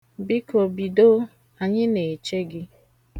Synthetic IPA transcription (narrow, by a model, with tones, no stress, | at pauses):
bi˦ko˨bi˨do˦ | a˨ɲɪ˦ne˨t͡ʃe˦ɡɪ˦